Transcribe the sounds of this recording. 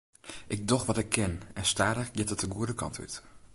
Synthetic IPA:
ʔɪɡ̚dɔxʋɔtɪkʰːɪnɛnstaːdəxjɛtətəɡuədəkʰɑ̰ntʋy̰t

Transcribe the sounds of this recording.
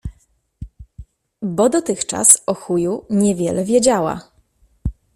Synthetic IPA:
bɔd̪ɔt̪ɘxt͡ʂa̰sɔxujuɲɛvʲjɛ̰lɛvʲjɛd͡ʑawa̰

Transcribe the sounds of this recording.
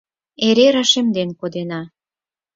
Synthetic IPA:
eɾeɾɑʃemd̪enkod̪enɑ

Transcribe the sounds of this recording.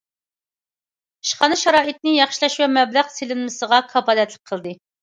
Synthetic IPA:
iʃχɑnɨʃɑɾɑːʔɨt̪̚nɪjɑχʃilˠɑʃwɛmɛblæʁselɪnmɪsəʁɑkʰɑpɑːlɛt̪lɪ̥k̚ʲqʰəlˠd̪ɨ

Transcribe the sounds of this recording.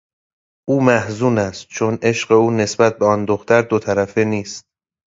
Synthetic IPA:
ʔuːmæhzuːnæst̪̚t͡ʃʰone̞ʃɢe̞uːne̞sbæt̪̚be̞ɒnd̪oxt̪ʰæɾd̪ot̪ʰæɾæfeniːst̪̚

